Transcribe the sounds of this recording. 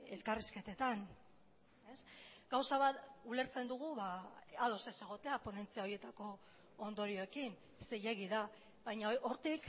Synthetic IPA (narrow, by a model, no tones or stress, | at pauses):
e̞lkariske̞t̪e̞t̪an | e̞sɡ̥awsaβat̪ule̞ɾt͡se̞nd̪uɣ̞uβaaðo̞se̞se̞ɣ̞o̞t̪e̞apo̞ne̞nt͡siao̞ɾje̞t̪ako̞ː | nd̪o̞ɾio̞e̞kin | se̞je̞ɣiða | βajɲaoɾt̪ik